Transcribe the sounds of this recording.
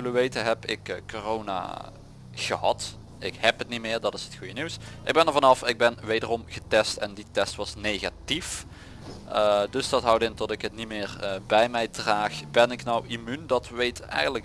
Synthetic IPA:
ɪləʋejtəɦɛpɪkkːorowna̰ː | ɣəhɑ̰t | ɪkhɛpətnitmɪːɹdɑtɪsətxujəniwsʔɪɡ̚bɛnəɹvɑnɑfɪɡ̚bɛnʋejdərɔmɣətɛstɛnditɛstʋɑsnejɣa̰tif | dɵsdɑtɦɑwdɪntɔtɪkɦətnimɪːrbɛjmɛjdraːxbɛnɪknɔwimyndɑtʋejtɛ̰jɣənlək

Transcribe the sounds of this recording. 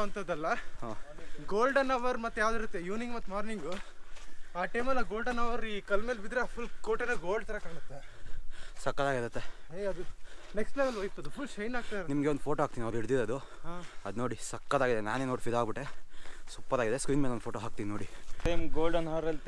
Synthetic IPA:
ɐnt̪ɐd̪ɐlːɐɦoːɡoːlɖɐnɐʋɐɾmɐt̪ːejaːʋd̪iɾut̪ːejuːnĩŋɡmɐt̪ːmaːɾniŋɡu | aːʈɐjmɐlːɐɡoːlɖɐnɐʋɐɾiːkɐlmeːlbid̪ɾeaːpʰulkoːʈelɐɡoːlɖt̪ɐɾɐkaːɳɐt̪ːe | sɐkːɐd̪aːɡiɾɐt̪ːeɦeɐd̪uneksʈpleːmɐlʋɐjt̪uɐd̪upʰulːʃɐjnaːɡ̚t̪aɐɾnimɡeond̪pʰoːʈoɦaːk̚t̪iniɐd̪iɽd̪id̪ɐd̪uɐd̪noːɽisɐkːɐd̪aːɡid̪ena̰ːneːnoːʈpʰid̪aːɡbiʈːesupːɐd̪aːɡid̪eskɾiːnmelonpoːʈoɦaːk̚t̪ininoːɽiʈɐmɡoːlɖɐnɐʋɐɾɐlt̪

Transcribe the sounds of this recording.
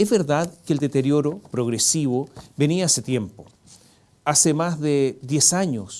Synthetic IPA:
ezβeɾðaðkeːld̪et̪eɾjoɾopɾoɣɾesiβobeniaaset̪je̞mpo | asemazðeðjesaɲos

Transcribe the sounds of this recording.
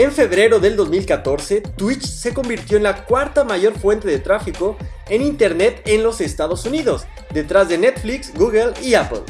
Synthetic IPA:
e̞ɱfe̞βɾe̞ɾo̞ðe̞ld̪o̞zmilkat̪o̞ɾse̞t̪wit͡ʃse̞ko̞mbiɾt̪joenlakwaɾt̪amaʝo̞ɾfwe̞nt̪e̞ðe̞t̪ɾafiko̞ | e̞nint̪e̞ɾne̞t̪enlo̞se̞st̪að̞o̞suniðo̞s | d̪e̞t̪ɾazðe̞ne̞t̪fliksɡuɣeliapl

